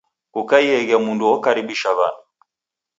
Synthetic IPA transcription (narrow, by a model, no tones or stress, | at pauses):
ukaiɛɣɛmunduɔkaɾiɓiʃaβa̰nu